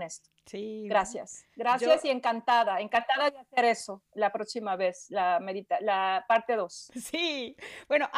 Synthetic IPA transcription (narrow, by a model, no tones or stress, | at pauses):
nest̪o̥ | siɡɾasja̰sɡɾasjasie̞ŋkant̪aðaeŋkant̪aðaeaseɾesolapɾo̞ksimaβe̞slame̞ðit̪alapaɾt̪e̞ðo̞ssib̥wenoʔ